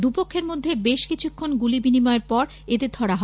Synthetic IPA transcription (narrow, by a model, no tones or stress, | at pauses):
d̪upokʰːeɾmod̪ʱːebeʃkit͡ɕʰukʰːonɡulibinimɔeɾpɔɾ | et̪ed̪ʱʰɔɽaɦɔ